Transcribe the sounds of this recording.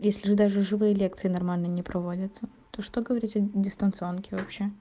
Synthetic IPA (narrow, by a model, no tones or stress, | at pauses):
jesʲlʲɪʐɨd̪aʐɨʐɨvɨjəlʲe̞kt̪sɨɪnɐrmalʲnənʲɪpɾɐvo̞dʲət̪sə | t̪o̞ʂt̪oɡəvɐɾʲitʲɐdʲɪst̪ənt̪sɨo̞nkʲɪvɐpɕːe